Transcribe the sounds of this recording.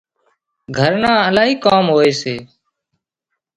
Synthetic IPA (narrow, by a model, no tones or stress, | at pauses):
ɡʱəɾnãːəlaːɦiːkoːmɦoːeːseː